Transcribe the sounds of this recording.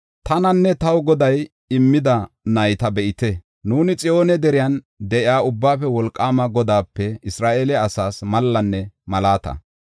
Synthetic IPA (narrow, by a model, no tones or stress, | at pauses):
t̪ɐnɐnːɛt̪ɐwɡɔd̪ɐj | ɪmːɪd̪ɐ | nɐjt̪ɐbɛʔɪt̪ɛ | nuːnɪt͡sʼɪjo̞ːnɛd̪ɛɾɪjan | d̪ɛʔɪaːʊbːaːfɛwɔlkʼːaːmɐɡɔd̪aːpːɛɪsɾaːʔeːlɛɐsaːsmɐlːɐnːɛmɐlaːt̪ɐ̰